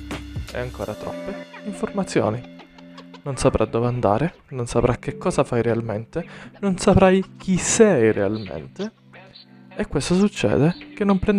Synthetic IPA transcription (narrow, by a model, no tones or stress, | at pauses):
ɛ̰aŋko̰ːɾat̪ɾɔ̰pːeiɱformat̪sːjo̰ːni | nonsapɾʔad̪ːɔveand̪a̰ːɾenonsapɾʔak̟ːekʰːɔːzafajɾealment̪enonsapɾajk̟ʰisɛjrea̰lmḛnt̪e | ekːwest̪os̬ut͡ʃːɛ̰ːd̪ek̟enːompɾɛnd̪